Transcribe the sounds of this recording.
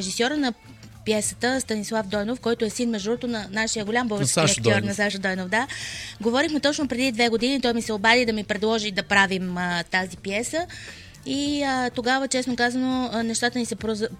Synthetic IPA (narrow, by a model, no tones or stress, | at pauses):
ɛʒisʲɔɾənɐ | pjɛsə̥t̪əst̪ɐnislˠafd̪ɔjnofkɔjt̪oɛsinmɛʒd̪ɔt̪onɐnaʃijəɡolʲambɔvɛt͡ʃ̪kiɐkt̪ɔɾnɐsaʃəd̪ɔjnofd̪aɡovɔɾixmɛt̪ɔt͡ʃnopɾɛd̪id̪vɛɡod̪init̪ɔjmisɛobad̪id̪ɐmipɾɛd̪lˠɔʒid̪ɐpɾavimət̪azipjɛsə | iət̪oɡavət͡ʃɛsnokazənonɛʃt̪at̪ənisɛpɾoz